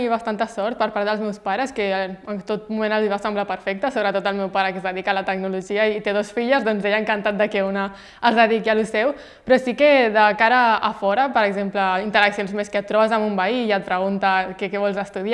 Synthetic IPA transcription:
iβast̪ant̪əsɔɾt̪̚pəɾpaɾt̪d̪əlˠzmɛwspaɾəskeənt̪ot̪̚mumẽnalˠd̪iβasɛmblapəɾfɛk̚t̪əsoβɾət̪ot̪əlˠmɛwpaɾəkəzðəðikaələt̪əɡ̚nuluʒiait̪eðosfiʎəzðɔnzejəŋkant̪at̪̚d̪əkɛuna | əzðəðikialusɛw | pɾɔsikeðəkaɾəːfɔɾəpəɾəɡzempləint̪əɾəksionzmeskət̪ːɾɔβəzamumbaiːət̪̚pɾəɣ̞unt̪akekɛβɔlzəst̪uðia

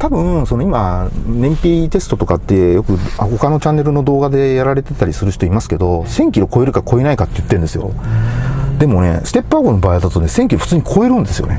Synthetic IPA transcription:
t̪abɯ̟̃so̞no̞imanẽ̞mpʲiːt̪e̞sɨ̥t̪o̞t̪okat̪ːe̞jo̞kɯ̟aho̞kano̞t͡ɕãnːe̞ɾɯ̟no̞d̪o̞ːɡad̪e̞jaɾaɾe̞t̪e̞t̪aɾʲisɨɾɯ̟çi̥t̪oimasɨ̥ke̞d̪o̞sẽ̞ŋkʲiɾo̞ko̞e̞ɾɯ̟kako̞enaikat̪ːe̞jɯ̟t̪ːend̪esɨjo̞̰ | d̪e̞mo̞ne̞̰sɨ̥t̪e̞pːaɡono̞baːid̪at̪o̞ne̞sẽ̞ŋkʲiɾo̞ɸɯ̥t͡sɨːɲ̟ikʰoe̞ɾɯ̟̃nd̪e̞sɨjo̞̰ne

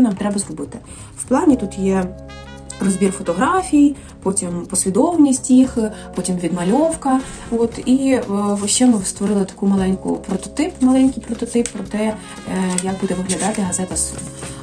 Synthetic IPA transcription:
ɛnɑmt̪ɾɛbɐzrɔbɪt̪ɪ | wplˠɑnʲit̪ut̪jɛ | rɔzbʲirfɔt̪ɔɦɾɑfʲiji | pɔtʲimpɔsʲʋʲid̪ɔwnʲisʲtʲjixpɔtʲimʋʲid̪mɐlʲɔwkɐ | ɔt̪iʋʃt͡ʃːɛmɪst̪ʋɔɾɪlˠɪt̪ɐ̥kumɐlˠɛnʲkʊ̰pɾɔt̪ɔt̪ɪpmɐlˠɛnʲkɪjpɾɔt̪ɔt̪ɪpːɾɔt̪ɛ | jɐɡ̚bud̪ɛʋɪɦlʲɐd̪ɑt̪ɪɦɐzɛt̪ɐsun

